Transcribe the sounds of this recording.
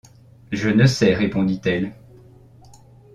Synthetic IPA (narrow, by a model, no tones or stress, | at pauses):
ʒənəsɛʁepɔ̃d̪it̪ɛl